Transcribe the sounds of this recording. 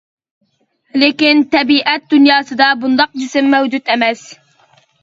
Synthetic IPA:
lekʲɪnt̪ɛbiʔɛt̪̚d̪unjɑːsɨd̪ɑbund̪ɑq̚d͡ʒɪsɪmːɛwd͡ʒut̪ɛmɛs

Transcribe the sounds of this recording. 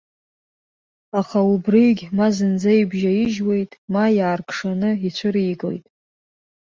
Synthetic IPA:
aχaubrijɡʲmazɨnd͡zajbʒajɪʒwe̞jtʼmajaːrkʰʼʂanɨit͡ɕʷʰɨɾijɡlḛjtʼ

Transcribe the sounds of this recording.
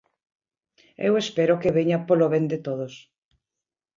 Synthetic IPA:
ḛwespeɾokeβeɲapoloβend̪et̪oðos

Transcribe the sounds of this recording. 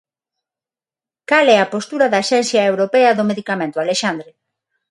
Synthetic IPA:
kalɛɐpost̪uɾɐðaʃɛnθjɐewɾopɛɐðʊmeðikamẽnt̪oaleʃand̪ɾe

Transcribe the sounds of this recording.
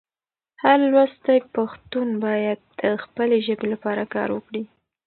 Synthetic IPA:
haɾlwast̪ajpaxt̪unbɑjad̪̚əxpəleʒəbelapɑɾakɑ̰ɾwəkɽi

